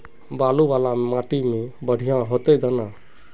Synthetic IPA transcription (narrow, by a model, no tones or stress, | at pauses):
balubalamaʈimebəɽ̤ʱijãɦot̪ejd̪ana